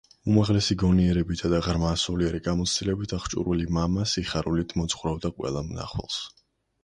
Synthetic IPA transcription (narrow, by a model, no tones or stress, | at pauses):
umaʁlɛsiɡɔniɛɾɛbit̪ʰad̪aʁɾmasuliaɾiɡamɔt̪sʰd̪ilɛbit̪ʰaχt͡ʃʼṵɾulimamasiχaɾulit̪ʰmɔt̪sχɾavd̪aqʼwɛ̰lˠamna̰χwɛ̰lˠs